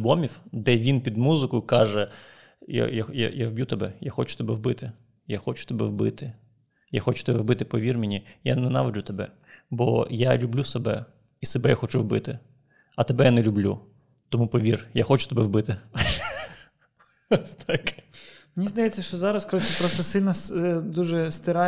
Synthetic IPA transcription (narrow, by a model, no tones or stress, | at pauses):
bɔmʲiwd̪ɛʋʲinpʲid̪muzɪkʊjʊkɑʒɛ | ja̰jaja̰jawbʲjut̪ɛbɛ̰jaxɔt͡ʃʊ̥t̪ɛbɛwbɪt̪ɪ | jaxɔt͡ʃʊ̥t̪ɛbɛ̰wbɪ̰t̪ɪ | jaxɔt͡ʃʊ̥t̪ɛbɛwbɪt̪ɪpɔʋʲirmʲinʲija̰nɛnɑʋɪd͡ʒʊt̪ɐbɛ | bɔ̰jalʲʊblʲusɛbɛ̰ | isɛbɛjaxɔt͡ʃuwbɪt̪ɪ | ɐt̪ebɛjanɛlʲʊblʲṵ | t̪ɔmupɔʋʲirjaxɔt͡ʃʊ̥t̪ɛbɛwbɪt̪ɪ | t̪ʰɑkmnʲizd̪ɐjɛt͡sʲːɐʃt͡ʃɔzɑɾɐskɔɾɔt͡ʃʲɪpɾɔst̪ɐsɪnɐsd̪uʒɛst̪ʲɪɾɑ